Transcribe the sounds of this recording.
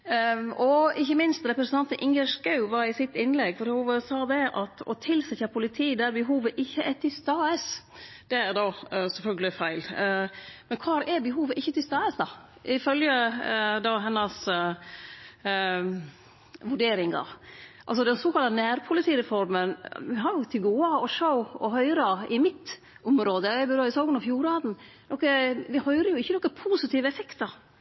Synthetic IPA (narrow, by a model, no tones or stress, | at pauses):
ɔɪçːəmɪnst̪ɾɛpɾəsənʰɑnt̪ʔɪŋɡəʂkɑʉʋɑɾɪsɪt̪ːɪnlɛɡfɔɾhuːʋəsɑːd̪ɛʔɑt̪ɔ̰t̪ʰɪlsɛçɑpʰʊlɪt̪ʰiːd̪æɾbəɦuːʋəʔɪçːəʔɛɾt̪ʰɪlst̪ɑːəs | d̪̥ɛæɾd̪ɑːsɛlfœlɡəlɪfæɪl | mɛnkʰɑːɾɛɾbəɦuːʋəʔɪçːət̪ɪlst̪ɑːəsd̪ɑ | ʔɪfœljəd̪ɑɦɛnːɑs | ʋʉɖeːɾɪŋɡɑ̰ʔɑ̰lsɔd̪ɛnsoːkɑlt̪ɑnæːɾpʰʊlɪt̪ʰiːɾɛfɔɾmənʋɪɦɑɾjʊt̪ʰɪlɡoːɑɔʂoʊɔɦœʏɾɑɪmɪt̪ | ʔʊmɾoːd̪əæɪbɛɾøɪsɑːɡʊnəfjuːɾɑːd̪n̩ | nɔkːəʋɪhœʏɾəɾjʊɪçːənɔkːəpʰuːsɪt̪ʰiːʋəɛfɛkt̪ɑ